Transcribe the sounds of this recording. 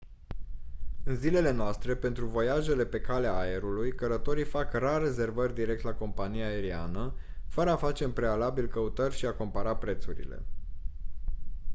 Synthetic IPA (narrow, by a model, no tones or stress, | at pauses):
ɨnzile̞le̞noast̪ɾe̞pe̞nt̪ɾuvo̞jaʒe̞le̞pe̞kaleaːe̞ɾulujkəɾət̪o̞ɾifakrare̞ze̞rvərʲd̪iɾe̞k̚t̪lako̞mpanijaːe̞ɾia̰nə | fəɾəafat͡ʃe̞mpɾe̞alabilkəut̪ərʲʃiako̞mpəɾapɾe̞t̪suɾḭle̞̰